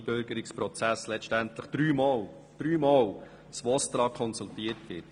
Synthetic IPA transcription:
bøɾɡəɾɪkspɾɔt͡sæslɛʃtæntləχd̥ɾyːmɑːl | d̪̥ɾyːmɑːl | sʋɔst̪ɾɑːkʰɔnsultiətvɪt

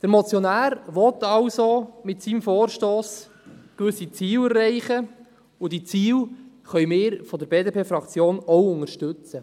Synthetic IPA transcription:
d̥əɾmɔt͡sjɔnæːɾʋɔt̪ɑwsomɪtsiːmfoːɾʃtoːs | kʋʏsit͡siːwɛrːɛɪχə | ʊdit͡siːw | χœɥmɪːɾfɔdəɾbeːdepʰeːfɾɑkt͡sjoːnɔwʊŋəʃtʏt͡sə

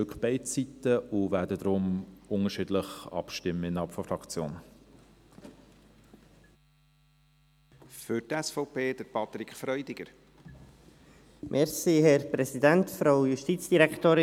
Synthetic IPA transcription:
ʏkχb̥ɛɪt͡sitəʊvɛːdədɾʊmʊŋəʃidləχɑ̰pʃtɪmːəɪnɑpfɔfɾɑkt͡sjo̰ːn | fʏɾtɛsfɔʊpʰeːd̥̪əɾpʰɑt̪ɾikfɾœʏdɪɡəɾ | mʔɛɾsiɦɛɾpɾɛsidɛntfɾoʊjuʃtiːt͡sd̥iɾɛkt̪oːɾɪ

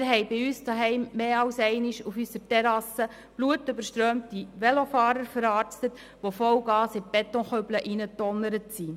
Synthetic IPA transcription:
ɾɦɛɪbɪyːsdaɦɛɪmːeːɑwsɛɪnɪʃufysəɾtɛɾɑsə | b̥luətʏbəɾʃtɾøːmtiʋɛlofɑːɾəɾfəɾɑːɾt͡stət | ʋofɔwɡ̥ɑːsɪb̥ɛtːɔ̃χœbləʔinətːɔnːəɾətsi

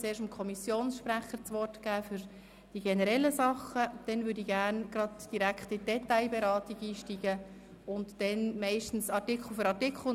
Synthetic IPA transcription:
t͡seːɾʃtəmkʰɔmisjoːnsʃpɾæχəɾt͡sʋɔrtɡ̥æːfʏɾ | d̥iɡɛnəɾɛlːəsɑχəd̥ɛnvʏɾdiɡærnɡ̥ɾɑdd̥iɾækχtɪd̥ɛtːaɪbɛɾɑːtiɡiːʃtiːɡ̥ə | ʊntdɛnmæɪʃtn̩sɑtɪkʰl̩fəɾɑtɪkʰχl̩

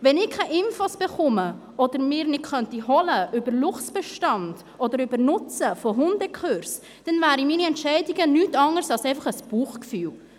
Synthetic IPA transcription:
vɛnɪkʰɛɪʔɪnfosb̥ɛχʊmə | ɔd̪əɾmɪːɾnɪtχœntiɦɔləʔʏbəɾlʊχtb̥ɛʃtɑnd̥ | ɔd̪əɾybəɾnʊt͡səfoɦʊndɛkʰχøɾs | d̥ɛnvæːɾimiːniɛntʃɛɪdiɡənyːtɑŋəɾsɑlsɛɪfɑχəsb̥uːχkfyːl

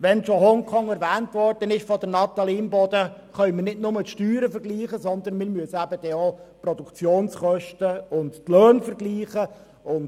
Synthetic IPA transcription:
ʋɛnʃoɦɔŋkʰɔŋɛɾʋæːntʋɔrd̥ənɪʃfɔd̪ənɑt̪ɑliːmbɔd̥ə | χœʏmənɪdnʊmət̪ʃtyːɾəfəɾɡliːχəsɔnd̪ənmɪːɾmyəsəæbəd̥ɛoprɔdukt͡sjoːnsχœʃtəʊndtløːnfəɾɡliːχə | ʊnd

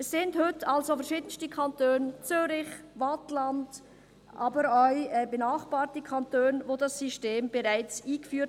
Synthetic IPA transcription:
ɛsːɪndhʏtalzofɛɐɾʃiːdən̩stəkʰantøːnt͡syːɾɪçvatland | ʔa̰ːbəɾɔʏɛbənaːχb̥aːɾtəkʰantøːnvoːdasːyʃteːmbəʁaɪt͡siːɡəfyː

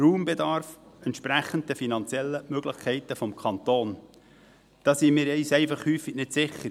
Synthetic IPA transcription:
ruːmbɛdɑɾfɛnt̪ʃpɾæχən̩t̚d̥əfinɑnt͡sjɛlːəmøɡləχkʰɛɪt̪əfɔmkʰɑnt̪oːn | d̪̥ɑːsiːmɪːɾɛɪsɛɪfɑχhyːfiɡnɪtsɪχːəɾ

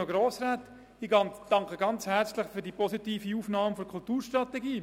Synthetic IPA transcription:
oɡɾoːsɾaːt | iːɡɑnd̥ɑŋkəɡɑnt͡shɛɾt͡slɪχfyɾdiːpɔsitiːfiuːfnɑːməfɔɾkʰʊltuːɾʃtɾɑteɡiː

